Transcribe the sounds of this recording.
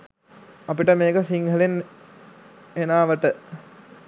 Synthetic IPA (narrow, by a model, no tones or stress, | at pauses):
ɐpiʈəmeːkəsiŋɡəlen | enaːʋəʈə